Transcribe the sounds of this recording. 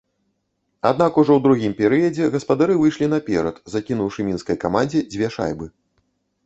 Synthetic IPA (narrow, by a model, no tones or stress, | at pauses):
ad̪nakuʐɔwd̪ɾuɣʲimpʲɛɾɨjɐd͡zʲɛɣɐspad̪aɾɨvɨjʂlʲin̪ɐpʲɛ̰ɾɐt̪zakʲinuwʂɨmʲinskɐjkamanʲd͡zʲɛd͡zʲvʲɛʂa̰jbɨ